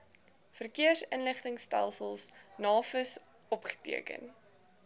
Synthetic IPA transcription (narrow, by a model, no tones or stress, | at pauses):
fərkiərsənləχtəŋstɛ̰lˠsəlˠsnɑːfəs | ɔpχə̥tḭəkə̰n